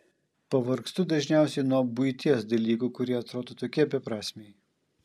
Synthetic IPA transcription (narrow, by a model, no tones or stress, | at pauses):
pɐʋɐɾkst̪ʊd̪ɐʒʲnʲæˑʊsʲɛɪnuɔbʊɪt̪ʲiɛsd̪ɐlʲiːkuːkʊɾʲiɛɐt̪ɾoːd̪oːt̪oːkʲiɛɐbʲɛpɾɑːsʲmʲej